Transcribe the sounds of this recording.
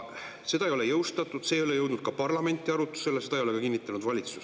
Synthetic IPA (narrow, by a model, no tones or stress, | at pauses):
se̞d̪ɑejo̞le̞jɤwst̪ɑt̪ːˑud̪̥se̞ːjo̞le̞jɤwd̪nud̪̚kɑpɑrlɑme̞nʲt̪ːˑiɑɾut̪ːˑu̥se̞lese̞d̪̥ɑejoe̞kɑkinːit̪ːˑɑnud̪vɑlʲit̪su̥s